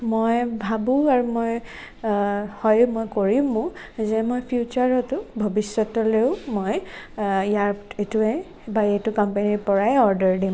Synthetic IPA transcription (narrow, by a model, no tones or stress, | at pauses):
mojbʱabũaɹumoj | hɔjmojkoɹimʊ̃ | zɛmojpʰjut͡ʃaɹɔtʊbʱɔbisɔtɔleʊmoj | japetuɛ | baetʊkɔmpeniɹpɔɹaɔɹdəɹdim